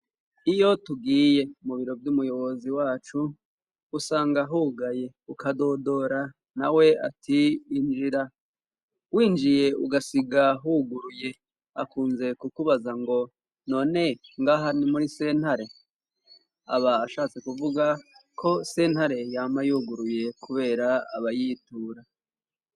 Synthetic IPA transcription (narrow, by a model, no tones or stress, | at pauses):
ijo̞tuɡiːje̞muβiɾo̞vjumujo̞βo̞ziwaːt͡ʃuː | saːŋɡaɦuɡaje̞ | ukado̞do̞ɾa | nawe̞a̰tʰiːnd͡ʒiɾa | wiːnd͡ʒije̞ṵɡasiɡaɦuɡuɾuje̞ | akuːnze̞kukuβazaŋɡo̞ | no̞ːne̞ŋɡaːɦanimuɾise̞ːn̥haɾe̞ | a̰βaːʃaːt͡se̞kuvuɡakʰo̞se̞nhaɾe̞jaːmajuːɡuɾuje̞kuβe̞ːɾaa̰βajiːtuːɾa